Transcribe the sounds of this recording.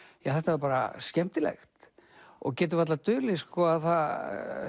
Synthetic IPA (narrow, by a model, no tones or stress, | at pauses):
jaθɛht̪avɾpaːɾa̰scɛm̥t̪ɪlɛ̰xt̪ɔ̰ɣcɛːt̪̬ʏvat̪lat̪ʏːlɪskɔaðθað